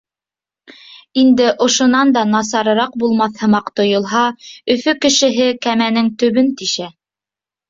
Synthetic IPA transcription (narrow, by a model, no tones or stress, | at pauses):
ind̪ɘʔŏʃŏnɑnd̪ɑnɑs̬ɑɾɤ̆ɾɑq̚bulˠmɑθhɤ̆mɑqt̪ŏjŏlˠɦɑɵ̆fɵkɘ̆ʃɘ̆ɦɘkæmænɘŋt̪ɵ̆βɵnt̪iʃæ